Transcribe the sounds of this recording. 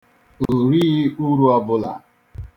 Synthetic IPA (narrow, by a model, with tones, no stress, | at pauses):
oo˨ɾi˦ɣi˦u˦ɾu˦a˦bʊ˦la̰˨